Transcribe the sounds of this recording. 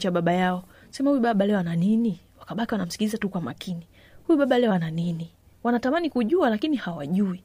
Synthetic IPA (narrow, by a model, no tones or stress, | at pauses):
t͡ʃaɓaɓajaɔsɛmahujuɓaɓalɛɔananiniwakaɓakiwanam̩si̥kilizatukwama̰kʰini | hujuɓaɓalɛɔananini | wanatamanikuʄualakinihawaʄui